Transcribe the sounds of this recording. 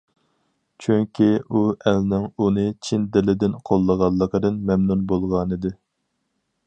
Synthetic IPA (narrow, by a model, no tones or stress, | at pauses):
t͡ʃʰyŋkʲʰiuɛlnɪŋunɨt͡ʃʰind̪ɪlɪd̪ɪnqʰolˠːəʁɑllˠːəqəd̪ɨnmɛmnunbolˠʁɑnɨd̪ɨ